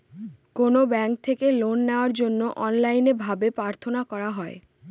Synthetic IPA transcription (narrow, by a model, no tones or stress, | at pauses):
konobɛŋk̚t̪ʰekelonːeoaɾd͡ʑonːoʔɔnlajnebʱabepɾaɾt̪ʰonakɔɾaɦɔe